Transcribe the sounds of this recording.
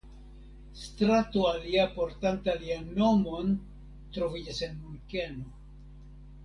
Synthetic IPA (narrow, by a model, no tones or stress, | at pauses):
stɾatoaliapo̞ɾtantalianːo̞mo̞n | tɾo̞vid͡ʒase̞nmunkeno